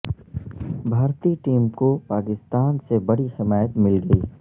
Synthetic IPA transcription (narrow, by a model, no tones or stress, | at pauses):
bʱaːɾt̪iʈiːmkopaːkɪst̪aːnsebɐɽihɪmaːjət̪mɪlɡɐiː